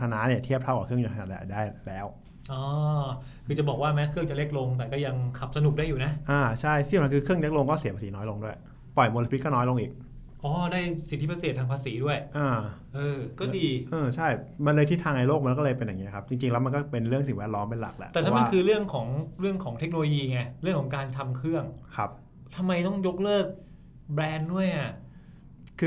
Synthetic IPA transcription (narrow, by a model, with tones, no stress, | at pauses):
t̪ʰa˧naː˦˥ni˥˩ɐt̪ʰi˥˩p̚t̪ʰa˥˩wka˨˩kʰɯ˥˩əŋɲuː˨˩kʰa˧nːaː˨˩a˥˧˩ʔdaː˥˩jlɛː˦˥w | ʔɔː˧ | kʰɯː˧t͡ɕa˨˩bɔː˨˩k̚waː˥˩mɛː˦˥kʰɯ˥˩əŋt͡ɕa˨˩le˦˥k̚lo˧ŋt̪̬ɛː˨˩kɔː˥˩ja˧ŋkʰa˨˩p̚sa˧nu˨˩k̚aː˥˩jːuː˨˩na˦˥ʔaː˧˩t͡ɕʰa˥˩jt̪ʰiː˥˩˨a˧˥kɯː˧kʰɯ˥˩əŋle˦˥k̚lo˧ŋkɔː˥˩si˨˦pʰaː˧siː˩˦nɔː˦˥jlo˧ŋdu˥˩əj | pɔ˨˩jmo˧lːpʰi˦˥t̚kɔ˥˩nɔː˦˥jlo˧ŋʔiː˨˩k̚ | ʔɔː˧˥˩daː˥˩jsi˨˩t̪ʰiː˥˩a˧seː˨˩t̪ʰːaː˧ŋpʰaː˧siː˩˦du˥˩əjʔaː˧˩ʔɤː˧kɔː˥˩diː˧ʔɤː˧t͡ɕʰa˥˩jma˧nlɤː˧jt̪ʰiː˥t̪ʰaː˧ŋʔa˧jloː˥˩ma˧˦˥kɔː˥˩ɤː˧jpe˧njaː˨˩i˦˥ɐ˧kʰa˦˥p̚t͡ɕi˧ŋt͡ɕi˧ŋlɛ˦˥wm˧nkɔː˥˩pe˧nɾɯ˥˩əŋsi˨˩ŋwɛː˦˥t̪̚lɔː˦˥mpe˧nla̰˨˩k̚lɛ̰˧˥ʔt̪ɛː˨˩t̪ʰa˧wama˧˥˩kʰɯː˧ɾɯ˥˩əŋkʰɔː˩˦ŋɾɯ˥˩əŋkʰɔː˩˦ŋt̪ʰe˦˥k̚no˧loː˧jiː˧ŋa˧˩ɾɯ˥˩əŋkʰɔː˩˦kaː˧nt̪ʰa˧mkʰɾɯ˥˩əŋkʰa˦˥p̚ | t̪ʰa˧mːa˧jt̪ɔ˥˩ŋjo˦˥k̚lɤː˥˩k̚ | bɾɛː˧ndu˥˩əjʔa˨˩ | kʰɯː˧